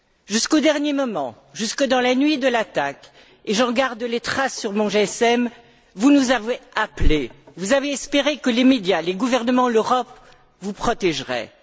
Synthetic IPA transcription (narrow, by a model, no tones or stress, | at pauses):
ʒyskod̪ɛʁnjemɔmɑ̰̃ | ʒyskəd̪ɑ̃lanɥid̪əlat̪ak | eʒɑ̃ɡaʁd̪let̪χasːyʁmɔ̃ʒeɛsɛm | vunuzaveaplevuzaveɛspeʁekəlemed̪jaleɡuvɛʁnəmɑ̃løʁɔp | vupχɔt̪ɛʒʁɛ̰